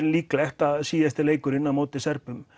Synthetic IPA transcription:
nliːklæht̪ɑsiːjɑst̪elejkːuɾinːɑmot̪ːesærpːym

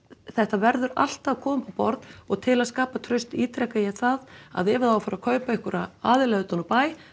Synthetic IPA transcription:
θɛht̪avɛɾðʏɾa̰l̥t̪avkʰɔːmʏpapɔɾt̪ɔɣt̪ʰɪlaðskaːpat̪ʰɾœɥst̪iːt̪ɾɛhkajɛθaða̰ðɛːvðawafaːɾakʰœːɥpaɪhkʏɾaaːðɪlɛɣʏt̪ɔnpaːj

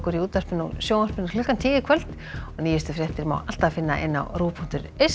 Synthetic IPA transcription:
kʏɾiuːt̪ar̥pɪnusjoːwnar̥pɪnːklʏhkːant̪ʰɪːjɪkʰœl̥t̪ | ɔniːjɪst̪ʏfɾjɛht̪ɪɾma̰wal̥t̪afɪnːa̰ʔɪ̰nːa̰wruːpʰɔn̥t̪ʏɾes

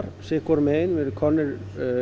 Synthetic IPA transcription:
ɾ̥sɪhkɔɾmeːjnvɪðkʰɔnːɪɾ

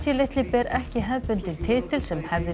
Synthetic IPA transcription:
sɪlejht̪lɪpɛɾɛhcɪɦɛðpʏnt̪ɪnt̪ʰɪːt̪ɪl̥sɛmhɛvðɪ

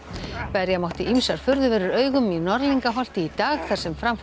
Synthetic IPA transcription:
pɛɾjamawht̪ɪʔimsaɾ̥fʏɾðʏvɛːɾʏɾœːɥɣʏminɔɾliŋkaɦɔl̥t̪ɪit̪aːɣθaɾ̥sɛmfɾamf

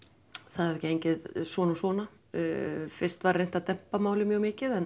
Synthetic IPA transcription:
θaðaɾɛhcɪejɲcɪðsvɔːnɔsvɔːna | fɪrst̪vaɾrːejnt̪at̪ɛm̥pamaːwlɪmjœɣmɪːcɪðɛn

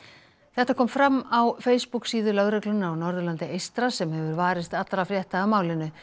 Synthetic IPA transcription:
θɛht̪akʰɔːmfɾamːawfeːjspuksiːðʏlœɣɾɛklʏnːawnɔɾðʏlant̪ɪejst̪ɾasɛmhɛvʏɾvaːɾɪst̪at̪ɾafɾjɛht̪aamaːwlɪnːʏ

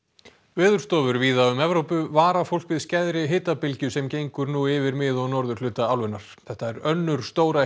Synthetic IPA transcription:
vɪːðʏɾ̥st̪ɔːvʏɾviːðaʏmɛvɾowpʏvaːɾafowl̥kvɪðscɛðɾɪɦɪːt̪apɪlcʏsɛmcejŋkʏɾnuːɪvɪɾmɪːðɔnɔɾðʏɾlʏːt̪aawlvʏnaɾ̥θɛht̪aɛɾœnːʏɾ̥st̪oːwɾa

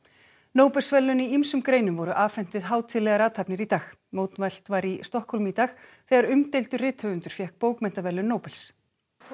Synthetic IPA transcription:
noːwpɛlsvɛlːʏniimsʏmkɾeːjnʏmvɔɾʏʔaːvfɛn̥t̪ɪðɦaːwt̪ʰɪlːɛɣaɾaːt̪ʰapnɪɾit̪aːx | moːwt̪nvajl̥t̪vaɾist̪ɔhkʰɔlmit̪aːxθɛɣaɾʏmt̪ejlt̪ʏrɪːt̪hœvʏnt̪ʏɾ̥fjɛhk̚poːwkmɛn̥t̪avɛlːʏnːoːwpɛls

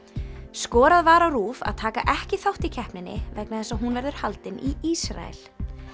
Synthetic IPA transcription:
skɔːɾaðvaːɾawɾuːfa̰ðt̪ʰaːka̰ʔɛhcɪθawht̪icʰɛhpnɪnːɪ̰vɛknaðθɛsːaɦunvɛɾðʏɾ̥halt̪ɪniisɾa̰ɛ̰l̥

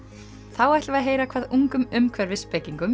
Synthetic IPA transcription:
θawaht̪vaðɦeːjɾakʰvaːðuŋkʏmʏmkʰvɛɾvɪspɛciŋkʏm

